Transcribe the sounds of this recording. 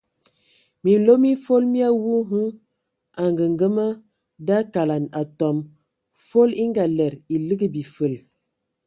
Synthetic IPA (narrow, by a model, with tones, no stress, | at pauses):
mi˨lo˦mi˦fo˦lmi˦a˦wu˦ɦu˦ | a˨ŋɡə˨ŋɡə˦mə˦ | da˦ka˨la˨na˨tɔ˨m | fo˦li˦ŋɡa˨lɛ˨ɾi˨lɨ˦ɡə˦bi˨fə˨l